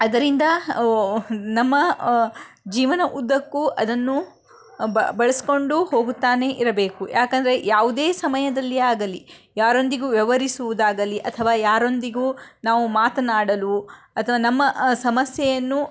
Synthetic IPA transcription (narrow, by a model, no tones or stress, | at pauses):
ɐd̪ɐɾind̪ɐ | nɐmːɐ | d͡ʒiːʋɐnɐʔud̪ːɐkːuʔɐd̪ɐnːu | bɐɭɐsi̥ko̞ɳɖuho̞ːɡut̪ːaːne̞ʔiɾɐbe̞ːkujaːkɐnd̪ɐɾe̞jaːʋud̪eːsɐmɐjɐd̪ɐlːiaːɡɐlijaːɾo̞nd̪iɡuːʋjɛʋɐɾisuʋud̪aːɡɐliʔɐt̪ʰɐʋaːjaːɾo̞nd̪iɡuːnaːʋumaːt̪ɐnaːɽɐlu | ɐt̪ʰɐʋaːnɐmːɐsɐmɐsjɛjɐnːu